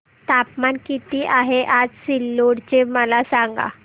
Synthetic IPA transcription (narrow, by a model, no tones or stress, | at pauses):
t̪apmankit̪iːʔaɦeʔad͡zsilːoɽt͡ɕeməlasãŋɡa̰